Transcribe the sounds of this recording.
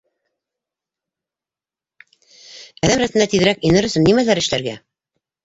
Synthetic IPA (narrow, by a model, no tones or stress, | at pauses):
æðæmɾæsɘ̆næt̪iðɘ̆ɾækĭnɤɾɵ̆sɵnːimælæɾɘ̆ʃlæɾɡæ